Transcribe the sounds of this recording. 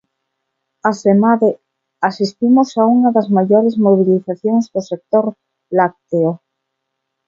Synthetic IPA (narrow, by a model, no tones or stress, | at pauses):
asemaðe | asist̪imosauŋaðazmaʝoɾezmoβ̞iliθaθjoŋzðosek̚t̪oɾ | lak̚t̪eo